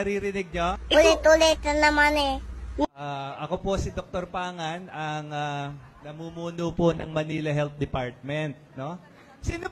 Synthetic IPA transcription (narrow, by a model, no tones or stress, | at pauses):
ɐɾiːɾɪnɪɡ̚ɲoʊlet̪ulet̪ɐnɐmanɛ | aʔɐkopo̞sɪd̪ok̚t̪oɾpaːŋɐnɐŋa | nɐmuːmuːnuːponɐ̰ŋmɐniːlɐɦɛlt̪̚d̪ɛpaɹt̪̚mɛnt̪̚no̞ | siːno